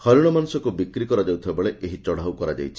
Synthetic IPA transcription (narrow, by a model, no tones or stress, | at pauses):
hɔɾuɽ̃ɔmanusɔkubikɾikɔɾɔd͡ʒawt̪ʰibabeɭeʔeɦit͡ʃɔɽ̤awkɔɾad͡ʒa̰jt͡ʃʰi̥